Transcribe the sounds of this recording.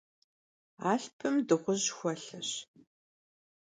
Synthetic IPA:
aːɬpʰɨmdɨʁʷʊʑxʷɔɬɐɕ

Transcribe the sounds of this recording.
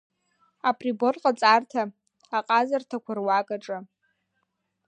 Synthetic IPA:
apʰʼriborqʼat͡sʼartʰaː | qʼazartʰakʷʰarwakʼaʈ͡ʂʼa

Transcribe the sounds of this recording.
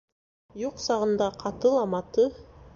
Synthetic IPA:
juqsɑʁənd̪ɑqʰɑt̪ɯlˠɑmɑt̪ɯ

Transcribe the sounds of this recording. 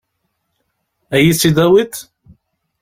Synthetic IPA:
æjisid̪æwit̪

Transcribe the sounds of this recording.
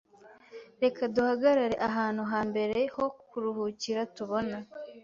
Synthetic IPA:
ɾe̞kaduhaɡaɾaɾe̞ʔaɦaːn̥huɦaːmbe̞ɾe̞ho̞kuɾuhuciɾatuβo̞na

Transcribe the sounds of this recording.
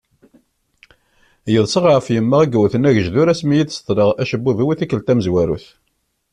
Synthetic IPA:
jəðˤsəʁʕəfjəmːəʁiɡwθənæʝəʒðuɾæsmijid̪st̪ˤɾəʁæʃəbːuðiwiθikːəlt̪æməzwæɾṵθ

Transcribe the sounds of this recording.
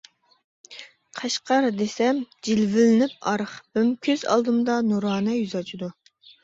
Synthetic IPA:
qʰɑʃqʰɑɾd̪esɛmd͡ʒilvɪlɪnɪp̚ɑɾχbɪmkʲʰøzɑ̰lˠd̪ɨmd̪ɑnuɾɑːnɛjyzɑt͡ʃʰid̪u

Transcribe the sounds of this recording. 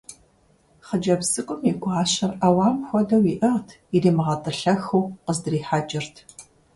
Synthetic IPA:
χəd͡ʒɐbsɨkʷʼʊmiɡʷʼɑːɕɐrawaːmxʷɔdɐwiːʔɐʁtʰ | ireːmɨʁɐtʼɨɬɐxuwqəzdɨriːħad͡ʒʼɪrtʰ

